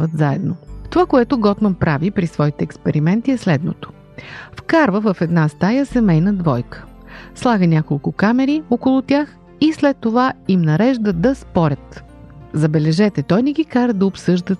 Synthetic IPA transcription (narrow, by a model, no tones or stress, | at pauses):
vət̪zaɛ̰d̪not̪ovakoɛt̪oɡɔt̪mɐnpɾavipɾisvɔit̪ɛːkspɛɾimɛnt̪iɛslɛd̪no̰t̪o̥ | fkaɾvəvəfɛd̪nast̪ajəsɛmɛjnəd̪vɔjkə̥ | slˠaɡənʲakolˠkʊkamɛɾiokolˠʊt̪ʲjax | islɛt̪ːovaimnɐɾɛʒd̪əd̪ɐspɔɾʲət̪ | zɐbɛlɛʒɛt̪ɛt̪ɔjnɛɡʲikaɾəd̪ɐopsɤʒd̪ə